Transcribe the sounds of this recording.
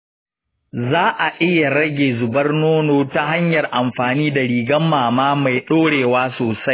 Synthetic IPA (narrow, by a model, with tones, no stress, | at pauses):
zaː˦ʔa˨ʔɪ˦ja˨ɽɐ˦ɡʲeː˨zʊ˨bɐ˦rnoː˦noː˨ta˦ɦa˦ɲjɐ˨rʔa˨mɸaː˨niː˦da˨ɽiː˨ɡɐ˦mːaː˨maː˦ma˨jɗoː˦ɽeː˨waː˦soː˨sa˦j